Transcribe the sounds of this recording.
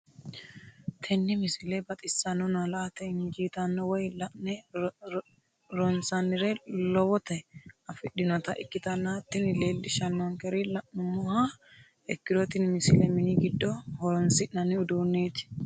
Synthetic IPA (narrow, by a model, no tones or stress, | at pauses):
t̪ʰɛnːɪmɪsɪlebɐt̪ʼɪsːɐnʊnɐlɐːt̪ɛnd͡ʒiːt̪ɐnːɔwɔjlɐʔnɛ | ɾɔnsɐnːɪɾelɔwɔt̪ɐɐfɪɗɪnɔt̪ɐʔɪkːɪt̪ɐnːɐt̪ːɪnleːlːɪʃɐnːɔŋkɛɾɪlɐʔmʊmːɔha | ɛkːɪd̪ɔt̪ɪnmɪsɪlɛmɪniɡɪd̪ːɔhɔɾɔnsɪʔnɐnɪʊd̪uːnːeːt̪ɪ̥